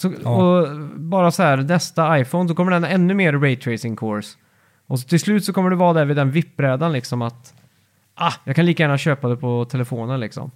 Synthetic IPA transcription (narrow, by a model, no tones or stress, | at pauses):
sɔɔbɑːɾasɔhæːɾnɛst̪aajfɔʊns̬ɔkʰɔmːəɖɛnːaɛnːɵmeːɾɾɛɪt̪ʰɾɛɪsɪŋkʰoɾs | ʔɔsɔt̪ʰɪlslʉ̟ːt̪sɔkʰɔmːəɖɵvɑːd̪ɛɾvɪd̪ɛnvɪpːɾɛːd̪anlɪksɔmat̪ | ʔajɑːkʰanliːkajæːnaɕøːpad̪ɛpʰɔt̪ʰɛlɛfoːnənlɪksɔ̰m